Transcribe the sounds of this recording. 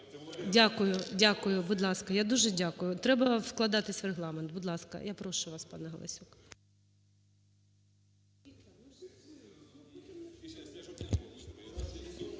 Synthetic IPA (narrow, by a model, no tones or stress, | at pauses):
dʲakʊjʊdʲakʊjʊbʊd̪lˠɑskɐjad̪uʒɛdʲakʊjʊt̪ɾɛbɐfklˠɐd̪ɑt̪ɪsʲʋreɦlˠɑment̪̚bʊd̪lˠɑskɐ̰japɾɔʃʊʋɑspɑ̰nɛɦɐlˠɐ̰sʲuk